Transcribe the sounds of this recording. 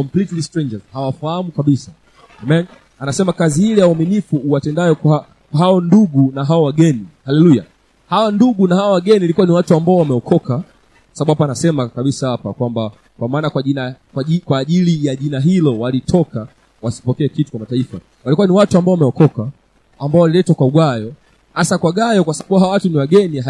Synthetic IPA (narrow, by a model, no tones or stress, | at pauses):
kɔmplitlistɾɛ̃ɲd͡ʒazhawafahamukaɓisa | amɛn | anasɛmakazihilijawɔminifuːwatɛndaɔkaa | ɦaɔnduɡunaɦawawaɠɛnihalɛluja | hawanduɡunahawawaɠɛniilikuwaniwatuambaɔwamɛɔkʰɔka | kwasaaɓuhapanasɛmakaɓisahapakwamba | kwamaːnakwainakaikwaːʄilijaʄinaɦilɔwalitʰɔka | wasi̥pɔkɛːkitu̥kwamataifa | walikuwaniwatuambaɔwamɛɔkɔkaː | mbaɔwalilɛtwakwauɡajɔ | hasakwaɠajɔkwasaaɓuawatuniwaɠɛni